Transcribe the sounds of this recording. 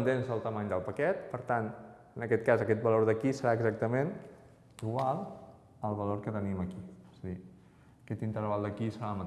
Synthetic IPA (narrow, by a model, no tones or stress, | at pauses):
nt̪ensəlˠt̪əmaɲd̪əlˠpəkɛt̪̚pəɾt̪an | ənəkɛt̪̚kazəkɛt̪̚bəloɾðəkisəɾaəɡzak̚t̪əmen | iɣwalˠ | əlˠβəloɾkət̪əniməkiez̥əði | əkɛt̪int̪əɾβalˠd̪əkisəɾamət̪